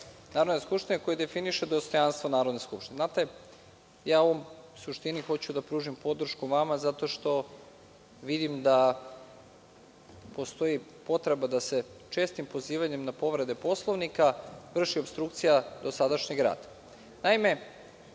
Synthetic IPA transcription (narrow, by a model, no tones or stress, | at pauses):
naːɾod̪neskupʃt̪ineko̞jed̪e̞finiʃed̪o̞st̪o̞janst̪ʋonaːɾo̞d̪ne̞skupʃt̪ineznat̪e̞ | jaːoomsuʃt̪inixo̞t͡ɕud̪apɾuːʒimpo̞d̪ɾr̩ʃkuʋamazat̪o̞ʃt̪o̞ | ʋid̪imd̪a | po̞st̪o̞jipo̞t̪ɾe̞bad̪ase̞t͡ʃe̞ːst̪impo̞ziːʋaɲe̞mnapo̞ʋɾe̞d̪e̞po̞slˠoʋnikaʋr̩ʃiobst̪ɾuk̚t̪sijad̪o̞sad̪aʃɲeɡɾa̰ːd̪̥ | naime̞